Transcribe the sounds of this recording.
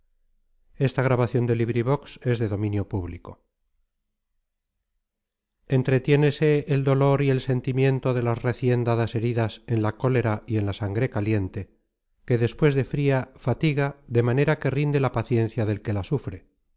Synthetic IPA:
e̞st̪aɣɾaβaθjo̞nd̪e̞liβɾiβ̞o̞kse̞zðe̞ðo̞mĩnjo̞puβliko̞ | e̞nt̪ɾe̞t̪je̞ne̞se̞ːld̪o̞lo̞ɾie̞lse̞nt̪imjẽ̞nt̪o̞ðe̞lasre̞θje̞nd̪aðase̞ɾiðase̞nlako̞le̞ɾaie̞nlasaŋɡɾe̞kalje̞nt̪e̞ | ke̞ðe̞spwe̞zðe̞fɾiafat̪iɣaðe̞mane̞ɾake̞rind̪e̞lapaθje̞n̟θjaðelke̞lasufɾe̞

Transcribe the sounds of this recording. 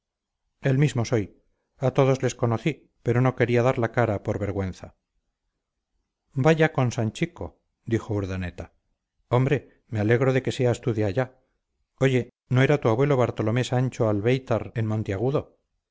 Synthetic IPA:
e̞lmizmo̞so̞j | at̪o̞ðo̞zle̞sko̞noθi | pe̞ɾo̞no̞ke̞ɾiaðaɾlakaɾapo̞ɾβe̞ɾɣwe̞nθa | baʝako̞nsaɲt͡ʃiko̞̰ | d̪ixo̞uɾðane̞t̪a | o̞mbɾe̞ | me̞ale̞ɣ̞ɾo̞ðe̞ke̞seaest̪uðjaːʎa | o̞ʝe̞ | no̞e̞ɾat̪uaβwe̞lo̞βaɾt̪o̞lo̞me̞saɲt͡ʃoalβe̞jt̪aɾenmõ̞nt̪eaɣ̞uðo̞

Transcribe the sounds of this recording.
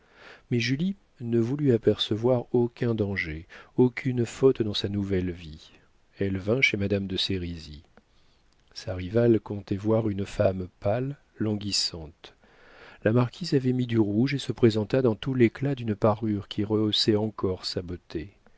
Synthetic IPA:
mɛʒyli | nəvulyapɛʁsəvwaʁokʲɛ̃d̪ɑ̃ʒeokʲʰynfɔt̪d̪ɑ̃sanuvɛlvi | ɛlvɛ̃ʃemad̪amd̪əseʁizi | saʁivalkɔ̃t̪ɛvwaʁynfampalː | ɑ̃ɡʲisɑ̃t̪ | lamaʁkʲʰizavɛmid̪yʁuʒesəpχezɑ̃t̪ad̪ɑ̃t̪uleklad̪ynpaʁyʁkʲʰiʁəosɛɑ̃kɔʁsabot̪e

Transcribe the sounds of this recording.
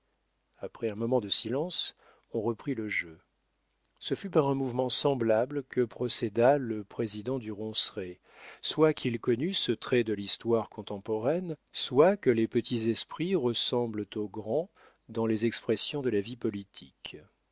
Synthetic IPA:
apχɛɛ̃mɔmɑ̃d̪əsilɑ̃s | ɔ̃ʁəpχiləʒø | səfypaʁɛ̃muvmɑ̃sɑ̃blablkəpχɔsɛd̪aləpχezid̪ɑ̃d̪yʁɔ̃sʁe | swakʰilkɔnysət̪χɛd̪əlist̪waʁkɔ̃t̪ɑ̃pɔʁɛnswakəlepət̪ʰizɛspχiʁəsɑ̃blt̪oɡʁɑ̃ | d̪ɑ̃lezɛkspχɛsjɔ̃d̪əlavipɔlit̪ʰik

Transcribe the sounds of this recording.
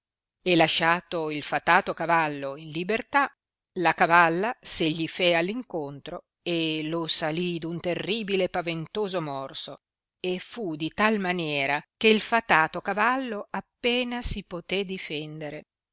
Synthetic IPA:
elaʃaːt̪oilfat̪aːt̪okavalːoinlibert̪a | lakavalːaseʎːifealːiŋkont̪ɾo | elosalid̪unt̪erːiːbilepavent̪oːzomɔrso | efud̪it̪almanjɛːɾakeilfat̪aːt̪okavalːoapːeːnasipot̪ɛd̪ifɛnd̪eɾe

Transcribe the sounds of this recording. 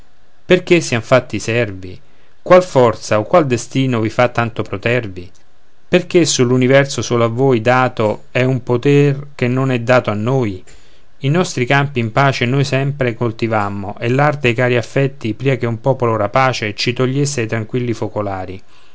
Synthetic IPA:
perk̟esːiaɱfat̪ːisɛrvḭ | kwalfɔrt̪saokwald̪est̪iːnovifat̪ːant̪opɾot̪ɛrvi | perk̟esːulːunivɛrsosoːlavːoːjd̪aːt̪oɛumpot̪ɛrk̟enːonɛd̪ːaːt̪oanːoːj | inɔst̪ɾikampiːmpaːt͡ʃenojsɛmpɾekolt̪ivamːoʔelːart̪ejkaːɾiafːɛt̪ːipɾiːak̟eumpɔːpoloɾapaːt͡ʃet͡ʃit̪oʎːesːeajt̪ɾaŋkwilːifokolaːɾi

